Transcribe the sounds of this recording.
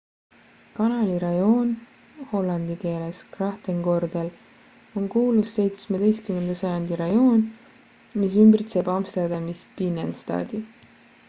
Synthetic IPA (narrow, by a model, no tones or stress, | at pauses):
kɑnɑliɾɑjo̞ːn | ho̞lːɑnd̪̥ike̞ːle̞skrɑht̪eŋko̞rd̪̥el | o̞ŋkuːlusːe̞jt̪smed̪̥e̞jst̪kyme̞nd̪̥ɑsɑjɑnd̪̥iɾɑjo̞ːn | mis̬ymbrit̪se̞ːbɑːmst̪ed̪ɑmispinenst̪ɑ̰ːd̪̥i